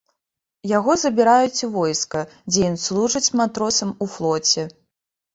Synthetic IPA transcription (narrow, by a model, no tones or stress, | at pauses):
jaɣɔzɐbʲiɾajut͡sʲivɔjskɐd͡zʲɛjinslˠuʐɨt͡sʲmat̪ɾɔsɐmuflˠɔt͡sʲɛ